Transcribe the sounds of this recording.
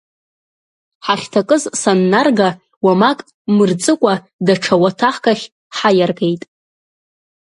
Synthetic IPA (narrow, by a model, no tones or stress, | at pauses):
ħaχʲtʰakʼɨzsanːarɡa | wamakʼ | mɨrt͡sʼɨkʷʼa | daʈ͡ʂʰawatʰaħkaχʲ | ħajarɡe̞jtʼ